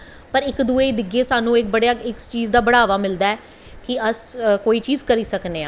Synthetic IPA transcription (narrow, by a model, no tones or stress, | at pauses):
pəɾɪkd̪uːeːid̪ɪɡeːsaːnũːɪk̚bəɽejaːɪkt͡ʃiːzd̪aːbəɽaːʋaːmɪld̪aːɛː | kɪəskoːiːt͡ʃiːzkəɾiːsəkneːãː